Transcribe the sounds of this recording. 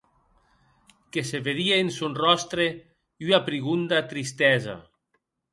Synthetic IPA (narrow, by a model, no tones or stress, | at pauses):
keseβeðiaensunrɔst̪ɾe | unapɾiɣund̪at̪ɾist̪ɛza̰